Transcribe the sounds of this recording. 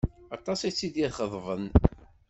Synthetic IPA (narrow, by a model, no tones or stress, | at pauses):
ɑt̪ˤɑsit͡sːid̪jɪðχəðˤvən